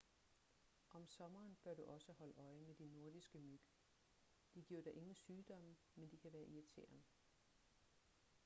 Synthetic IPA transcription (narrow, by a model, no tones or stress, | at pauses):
ʔɒ̽msɒ̽mɐːnb̥ɶɐ̰ɾ̥uʔɒ̽səhɒ̽ləʔɒ̽ɪmed̥inːo̝ɐdisɡ̥əmyɡ̥ | d̥iɡ̥iɐ̰d̥ɑ̈ʔe̝ŋn̩syːd̥ɒ̽m̰ | mend̥ikʰæʋæːɐʔiæt͡sʰḛɐ̰m